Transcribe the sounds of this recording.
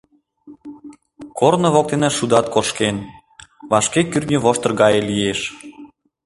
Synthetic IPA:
kornŏβok̚t̪enæʃud̪ɑt̪̚koʃken | βɑʃkekyrnʲəβoʃt̪ɤ̆rɣɑjelijeʃ

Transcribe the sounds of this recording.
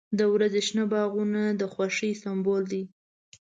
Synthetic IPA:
d̪əwɾazeʃnabɑɣunad̪əxwaʂəjsambold̪i

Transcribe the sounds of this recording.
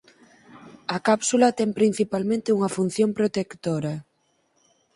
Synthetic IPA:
ɐkapsulɐt̪ɛŋpɾin̟θipalmẽnt̪eɪuŋɐfun̟θjompɾot̪ekt̪oɾɐ

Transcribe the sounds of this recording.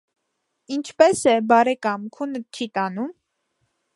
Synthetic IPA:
int͡ʃʰpɛsɛbɑɾɛkɑmkʰunət͡ʃʰit̪ɑnum

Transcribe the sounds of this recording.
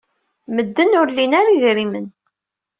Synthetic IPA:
məd̪ːənʊɾlːinaɾiðɾimən

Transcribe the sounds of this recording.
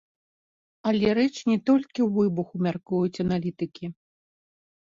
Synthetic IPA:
ɐlʲɛɾɛt͡ʂnʲɛt̪ɔlʲkʲiwvɨbuxumʲarkujut͡sʲɐnalʲit̪ɨkʲi

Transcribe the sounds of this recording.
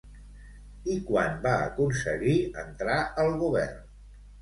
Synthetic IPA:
ikwanbaə̰kunsəɣiə̰nt̪ɾaəlˠɣuβɛ̰rn

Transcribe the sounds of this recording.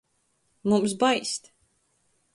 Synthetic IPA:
mumsbajst̪

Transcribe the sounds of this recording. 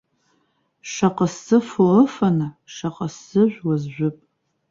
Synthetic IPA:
ʂɐqʼəsɨfoəfɐna | ʂɐqʼəsɨʒʷwɐzʒʷʊpʼ

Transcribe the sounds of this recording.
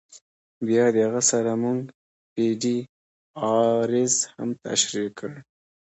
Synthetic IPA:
bjɑd̪əhaɣasaɾamuŋɡ | piɖi | ɑɾɪzha̰mt̪a̰ʃɾikʰːəɽ

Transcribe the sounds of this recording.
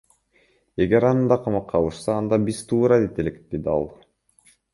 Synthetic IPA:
e̞ɡe̞ɾɑnɯnd̪ɑqʰɑmɑqʰːɑlˠɯʃsɑːnd̪ɑbiz̥t̪ʰuːɾɑd̪et̪e̞lekd̪̥ed̪iɑ̰lˠ

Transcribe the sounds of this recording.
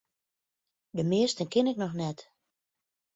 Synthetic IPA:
dəmɪəstənkɪnɪk̚nɔxnɛt

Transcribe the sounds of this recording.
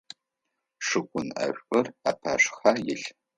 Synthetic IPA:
ʂɨɡʷʼʊnɐ̰ɕᶣʷʔʊraːpʰa̰ːɕxaːjɪɬ

